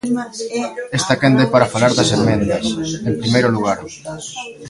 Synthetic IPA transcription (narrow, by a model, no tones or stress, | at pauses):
est̪akend̪ɛpaɾɐfalaɾðɐsemẽnd̪ɐsempɾimejɾoluɣ̞aɾ